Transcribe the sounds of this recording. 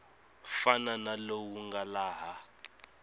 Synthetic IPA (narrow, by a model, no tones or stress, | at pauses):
fananalowuŋɡalaːɦa